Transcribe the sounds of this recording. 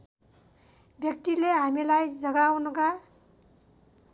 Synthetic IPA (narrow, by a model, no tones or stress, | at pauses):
bjʌk̚t̪ileɦamilajd͡zʌɡawnʌka